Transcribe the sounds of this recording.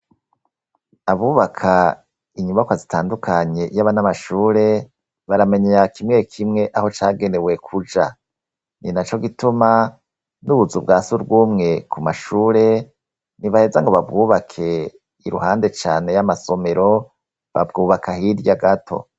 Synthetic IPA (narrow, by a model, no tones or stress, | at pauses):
aβuːβakʰa | iɲuβakwazitʰaːndukʰaɲe̞jaβanamaʃuːɾe̞ | βaɾame̞ɲejakimŋe̞kʰimŋe̞ʔaho̞t͡ʃaːɡe̞ne̞we̞kʰud͡ʒa | ninat͡ʃo̞ɡituma | nuβuzub̚ɡaːsuɾɡuːmŋe̞kumaʃuːɾe̞ | niβahe̞zaŋɡoβab̚ɡuːβakʰe̞ | iɾuhaːnde̞t͡ʃaːne̞jamaso̞me̞ɾo̞ | βa̰bɡuːβakʰahiɾjaɡatʰo̞̰